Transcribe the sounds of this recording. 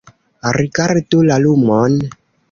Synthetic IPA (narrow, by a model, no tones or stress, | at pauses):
aɾikaɾitolalumɔn